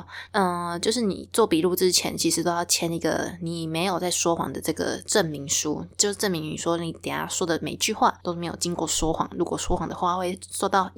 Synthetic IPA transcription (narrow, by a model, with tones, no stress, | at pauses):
ə˧t͡ɕjo˥˧ʊʂ̬ɻ̩˥˩nḭ˨˩t͡swɔ˥˩pi˨˩lu˥˩ʈ͡ʂɻ̩˥t͡ɕʰjɛ̰˧˥˦nt͡ɕʰi˧ʂɻ̩˧˥t̪o˥ʊjɑ˥˩ʊt͡ɕʰjɛ˥ni˧˥ɡə̰˧ni˨˩me˧˥ɪjo˨˩ʊt͡sa˥˩ɪʂwɔ˥xwɑ̰˨˩ŋd̪ə˦ʈ͡ʂɤ˥˩ɡə̰˩ʈ͡ʂə˥˩nmi˧˥ŋʂu˦˥t͡ɕjo˥˧ʊʂ̩˥˧ʈ͡ʂə˥˩nmi˧˥ŋi˨˩ʂwɔ˥ni˨˩t̪ɛ̰˨˩˥ʂwɔ˥d̪ə˨me˨˩ɪt͡ɕy˥˧xwa̰˥˩t̪o˥ʊme˧˥ɪjo˨˩t͡ɕi˥ŋkwɔ˥˩ʂwɔ˥xwɑ̰˨˩ŋɻu˧˥kwɔ˨˩ʂwɔ˥xwɑ˨˩ŋd̪ə˩˦xwa˥˧xwe˥˩ɪswɔ˥˧t̪ɑ˥˩ʊ